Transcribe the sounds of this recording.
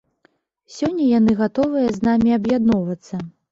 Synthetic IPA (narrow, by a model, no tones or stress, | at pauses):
sʲɔnʲːɐjanɨɣat̪ɔvɨjɐznamʲiɐbjad̪nɔvɐt̪sːɐ